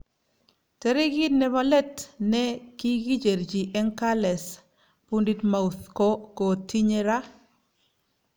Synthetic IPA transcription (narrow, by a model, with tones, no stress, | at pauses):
tɛ˦ɾi˦ɡi˦nɛ˨βa˦lɛ˦tnɛ˦ki˦ɡi˦d͡ʒe˨ɾd͡ʒi˨ʔɛ˦ŋka˦lɛ˨s | pundi˦tma˨u˨θko˦ko˨tʰi˦ɲe˦ɾa˦